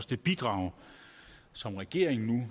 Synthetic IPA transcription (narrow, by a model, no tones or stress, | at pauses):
sd̥e̝b̥id̥ʁɑ̈ʊ̰ | sɒ̽mʁɛɡ̥e̝ɐ̰eŋn̩nu